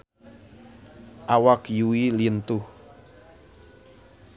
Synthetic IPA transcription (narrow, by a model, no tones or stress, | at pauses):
ʔawakjuiliənt̪ʊh